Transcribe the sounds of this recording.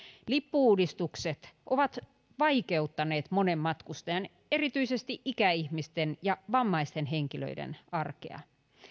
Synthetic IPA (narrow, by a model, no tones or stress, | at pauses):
lipːuuːdist̪ukset̪ʔoʋɑt̪ | ʋɑikeut̪ːɑneːt̪monemːɑt̪kust̪ɑjɑn | erit̪yisest̪iʔikæihmist̪enjɑʋɑmːɑist̪enɦeŋkilø̰idḛnɑrkḛɑ̰